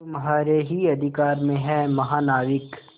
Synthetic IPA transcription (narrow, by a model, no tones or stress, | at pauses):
mɐɦaːɾeɦiɐd̪ʱɪkaːɾmẽɦɛ̃mɐɦaːnaːʋɪk